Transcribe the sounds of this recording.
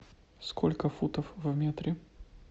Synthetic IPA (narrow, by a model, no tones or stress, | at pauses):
skʰolʲkəfut̪əfvmʲet̪ɾʲɪ